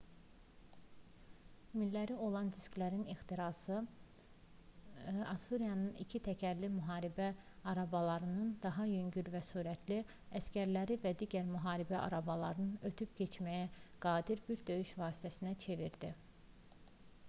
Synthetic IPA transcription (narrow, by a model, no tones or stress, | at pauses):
milːæɾio̞lˠɑnzisklæɾinixt̪iɾɑːsɯ | ɑsuɾijɑnɯnḭcʰit̪ʰæcʰæɾlimyɦɑːɾibæɑɾɑbɑlˠɑɾɯnɯnd̪ɑɦɑjøɲɟyɾvæsuːɾæt̪ʰli | æscæɾlæɾivæd̪iːɟæɾmyɦɑːɾibæʔɑ̰ɾɑbɑlˠɑ̰ɾɯnɯnøt̪ʰypcʰe̞t͡ʃʰmæjæɡ̥ɑːd̪iɾbiɾd̪ø̞jyʃvɑːsi̥t̪ʰæsinæt͡ʃʰe̞viɾd̪i